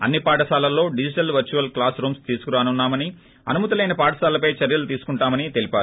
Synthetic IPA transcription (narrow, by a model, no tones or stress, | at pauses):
ɐ̰nːipaːʈɐsaːlɐlːo̞ːɖid͡ʒiʈɐlʋɐɾt͡ʃuʋɐlklaːsɾuːmst̪iːsu̥kuɾaːnunːaːmɐni | ɐ̰numɐt̪ɐle̞ːnɐpaːʈɐsaːlɐpɐjt͡ʃɐɾjɐlut̪iːsu̥kuɳʈaːmɐnit̪e̞lipʲaːɾu